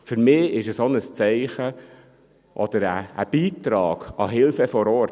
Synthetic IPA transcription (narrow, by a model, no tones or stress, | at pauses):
fyɾmɪːɪʃəsɔnəst͡sɛɪχə | ʔɔd̥̪əɾæːb̥iːt̪ɾɑːɡ̥ɑɦɪlfəfɔɾɔɾ